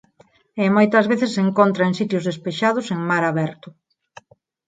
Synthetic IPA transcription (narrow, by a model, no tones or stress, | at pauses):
emojt̪ɐzβeθɪsːeŋkont̪ɾɐeŋsit̪jʊzðespeʃað̞ʊseŋmaɾaβɛɾt̪ʊ